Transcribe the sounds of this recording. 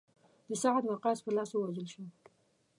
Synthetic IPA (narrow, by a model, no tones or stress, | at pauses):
d̪̥əsɑʕd̪wɑqɑspəlɑsowad͡ʒəlʃo